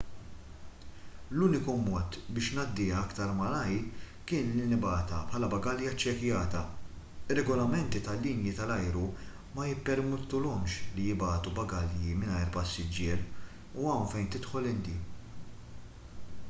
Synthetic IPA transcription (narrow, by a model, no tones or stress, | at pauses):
luːnɪkumɔːt̪bɪːʃnɐd̪ːɪːɐkt̪ɐɾmɐlɐjɾ | kɪːnlinɪbɐːt̪ɐpħɐːlɐbɐɡɐljɐt͡ʃːɛkjɐːt̪ɐ | ɪrːɛɡɔlɐmɛnt̪it̪ɐlːiːnjit̪ɐlɐjɾu | mɐjɪpːɛɾmɛt̪ːʊlɔmʃlijɪbɐːt̪ubɐɡɐljimɪnɐjɾpɐsːɪd͡ʒːɪːɾ | uɐwnfɛjnt̪ɪt̪ħɔlɪnd̪iː